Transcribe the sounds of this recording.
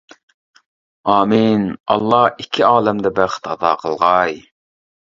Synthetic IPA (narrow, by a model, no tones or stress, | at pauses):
ɑːminɑ̰lˠːɑikʲʰːiɑːlˠɛmd̪ɛbæɾχə̥t̪ɑd̪ɑ̰ːqʰəlˠʁɑj